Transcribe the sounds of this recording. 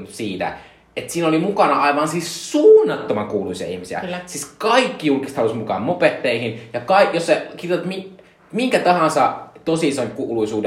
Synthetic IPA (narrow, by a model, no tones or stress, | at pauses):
siːt̪æ̰ | et̪siːnolimukɑnɑɑiʋɑnsissuːnːɑt̪ːomɑŋkuːluisiɑ̰ḭhmisiæ̰siskɑikːijulkist̪hɑlusmukɑ̰ːmmopet̪ːeihinjɑkɑijosekirjot̪ɑt̪mi | miŋkæt̪ɑhɑnsɑt̪osisɑŋkuːluisuːde